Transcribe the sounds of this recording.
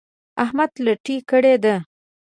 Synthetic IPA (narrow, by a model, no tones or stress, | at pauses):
ahmad̪ləʈikəɽed̪e